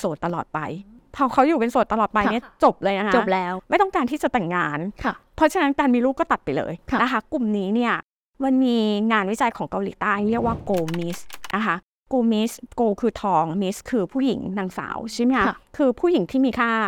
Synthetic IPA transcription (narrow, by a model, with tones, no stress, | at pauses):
so˨˩t̪ːa˧lɔː˨˩t̪̚pa̰˧jpʰɔː˧kʰa˦˥wjuː˨˩pe˧nso˨˩t̪ːa˧lɔː˨˩t̪̚pa˧jni˥˩ɐt͡ɕo˨˩p̚lɤː˧jna˦˥kao˨˩˥p̚lɛː˦˥wma˥˩t̪ɔ˥ŋkaː˧nt̪ʰiː˥˩t͡ɕa˨˩t̪ɛ˨˩ŋːaː˧nʰ˩pʰɔ˦˥t͡ɕʰa˧na˦˥nkaː˧nmiː˧ɾuː˥˩k̚kɔː˥˩t̪a˨˩t̪̚pa˧jlɤ̰ː˧jʰna˦˥kʰa˦˥ku˨˩mniː˦˥ni˥˩ɐ | ma˧nmiː˧ŋaː˧nwi˦˥t͡ɕa˧jkʰɔː˩˦ŋka˧wlḭː˨˩˦t̪aː˥˩jɾi˥˩ək̚waː˥˩koː˧mi˦˥snʔa˦˥kʰa˦˥ | koː˧mi˦˥skoː˧kʰɯː˧t̪ʰɔː˧ŋmi˦˥skʰɯː˧pʰuː˥˩jḭ˩˦ŋnaː˧ŋsa̰ː˩˦wt͡ɕʰi˦˥˩ma˦˥a˧kʰɯː˧pʰuː˥˩ji˩˦ŋt̪ʰiː˥˩miː˧kʰaː˥˩